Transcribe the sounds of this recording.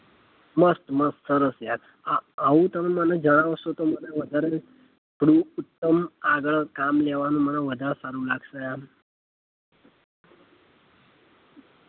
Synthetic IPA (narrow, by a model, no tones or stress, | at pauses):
məst̪məst̪səɾəsjak̪ | aʋut̪əməmənad͡ʒəɽ̃aʋəst̪ot̪omənaʋəd̪ʱəɾə | pɽuːut̪ːəmaɡɭkamlɛʋanũːmənaʋəd̪ʱasaɾuːlaɡsəja